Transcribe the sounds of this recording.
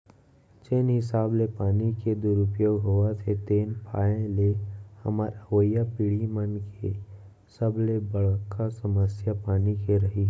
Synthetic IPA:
t͡ʃeːnɦɪsaːblepaːniked̪ʊɾʊpjoːɡɦoat̪ʰet̪eːnpʰaːẽlehə̰maːɾəʋəjːapiːɽimənkʰḛ | səblebəɽkʰasəməsjapaːnikeɾɐɦiɦ

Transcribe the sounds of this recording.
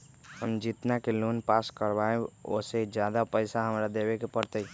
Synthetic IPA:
həmd͡ʒit̪nakeluːnpaːskəɾbaẽo̰sed͡ʒjaːd̪apəɪsaɦəmɾad̪eːwekepəɾt̪əi

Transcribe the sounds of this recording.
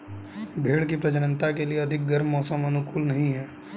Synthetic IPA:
bʱeːɽkipɾɐd͡ʒənə̃nt̪akelieɐd̪ʱɪk̚ɡɐɾmːɔːsəmɐnʊkuːlnɐɦĩɦɛː

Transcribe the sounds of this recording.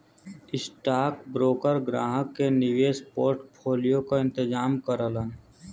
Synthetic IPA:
ɪsʈaːkbɾoːkəɾɡɾaːɦəkːeniʋespoːɾʈpʰoːlijokaɪ̃nt̪ɪd͡ʒaːmkəɾələn

